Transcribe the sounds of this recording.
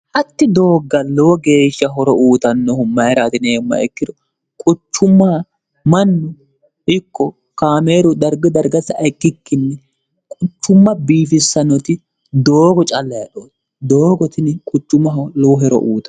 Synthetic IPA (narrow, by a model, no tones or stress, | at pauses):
ʔɐt̪ːɪd̪o̞ːɡːɐlɔwɔɡe̞ːʃːɐɦɔɾɔʔuːt̪ɐnːɔhʊmɐjɛɾaːt̪ɪneːmːɐ̰ɛkːɪd̪ɔ | kʼʊt͡ʃːʊmːaː | mɐnːʊ | ʔɪkːɔ | kaːmeːɾʊd̪ɐɾɡɔd̪ɐɾɡɐsɐɐkʼːɪkːɪnːɛ | kʼʊt͡ʃːʊmːɐbiːfɪsːɐnɔt̪ɪ | d̪oːɡɔt͡ʃʼɐlːɐjɐɗoːd̪ | d̪oːɡɔt̪ɪnkʼʊt͡ʃːʊmɐɦlɔwɔɦɛɾɔ̰ʔuːt̪ɐ